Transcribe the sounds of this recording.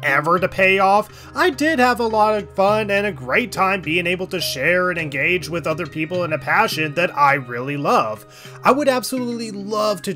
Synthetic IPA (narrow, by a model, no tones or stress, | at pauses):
ʔɛvə˞ɾɨpʰeɪɔf | aɪdɪd̚əvəlɔɾʌ̥fʌ̃nɨ̃nɨɡɹeɪtʰãɪ̃mbiɪ̃ŋeɪbl̩ˠtɨʃɛɹɨ̃nɨ̃nɡeɪd͡ʒwɨðʌðə˞pʰipl̩ˠə̃nɨpʰæʃɨ̃nðɨɾaɪɹɪlˠilʌv̥ | aɪwəɾæb̥səlutˡlilʌv̥tʰɨ